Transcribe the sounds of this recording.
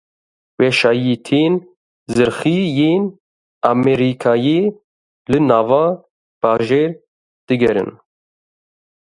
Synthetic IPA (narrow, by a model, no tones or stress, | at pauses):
wɛʃɑːjiːt̪ʰeːn | zɨɾxiːjeːn | amɛɾikʰɑːjeː | lɨnɑːvɑː | b̥ɑːʒeːɾ | d̪̥ɨɡɛɾɨ̰n